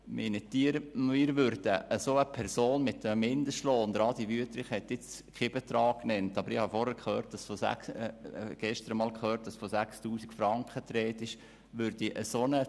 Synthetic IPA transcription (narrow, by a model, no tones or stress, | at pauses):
mɪnət̪ːiəɾmiːɾʋʏɾd̥əəsoəpʰɛɾsoːnmɪtːəmmɪnd̪əstloːnd̪ɾɑːd̪iʋyət̪ɾɪχhɛt̪ɪt͡skχeb̥ɛt̪ɾɑːkːnɛntɑb̥əɾɪhɑfɔɾhɛɾkχøːɾt̚d̥ɑsfosæ̰ksɡ̥ɛʃtəɾəmɑːlkχøːrt̚d̥ɑsfosækstuːsikfɾɑŋkχət̪ɾɛːt̪ɪʃ | ʋʏɾdiʔəsonə